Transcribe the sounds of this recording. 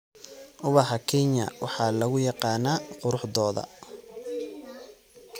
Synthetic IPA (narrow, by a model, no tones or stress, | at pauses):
ʔʊβɐɦɐkʰɛɲjɐ̰wʔɑħɑːlɐɣʊjɑqɑːnaːqʊɾʊħd̪ɔːðɐ̰